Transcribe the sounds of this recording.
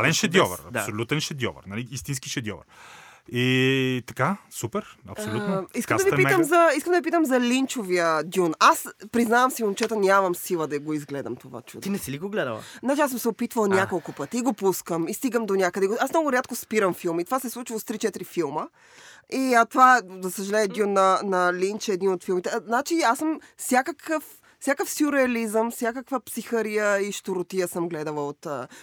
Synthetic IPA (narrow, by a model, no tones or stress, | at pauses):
alɛnʃɛd̪jɔvɐ̰ɾɐ̰d̪asolʲut̪ɛnʃɛd̪ʲjɔ̰və̰ɾnaliist̪inskiʃɛd̪jɔ̰vɐ̰ɾit̪ɐ̥kasupɛɾɐ̰psolʲunoiskəad̪ɐvipit̪əmzɐiskəmd̪ɐvip̬it̪əmzɐlint͡ʃoviəd̪ʲunaspɾiznavəmsiomt͡ʃɛt̪onʲamɐmsilˠəd̪ɐɡoizɡlɛd̪ɐmt̪ova̰t͡ʃṵd̪t̪inɛsilikoɡlɛd̪ə̰lˠə̰znat͡ʃias̬əmsɛopit̪vəlˠnʲakolˠkʊpət̪iːɡopuskəmist̪iɡəmd̪onʲakəd̪ɛɡoasmnɔɡʊɾʲat̪̚kospiɾəmfilˠmit̪o̥vasɛslˠut͡ʃivˠost̪ɾit͡ʃɛt̪iɾifilˠmə | iat̪ovazɐsəʒɐlɛmɛd̪inɐnɐlinʲt͡ʃɛːd̪ninot̪filˠmit̪ɛznat͡ʃiasəmsʲjakəkʰəf | sʲakəfsuɾɛɐlizəmfsʲjakəkvəpsixəɾijəiʃt̪oɾot̪ijəsəmɡlɛd̪əlˠəot̪ə